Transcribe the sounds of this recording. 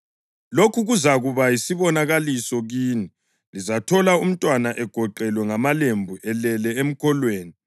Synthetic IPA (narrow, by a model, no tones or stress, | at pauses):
lokʰuɣuzaɣuβajisiβɔnaɣalisɔɣiːni | lizatʰɔlaum̩tʼwanaʔɛɡ̥ʱɔǃɛlwɛŋamalembʱuʔɛlɛlɛem̩kʰɔlweːni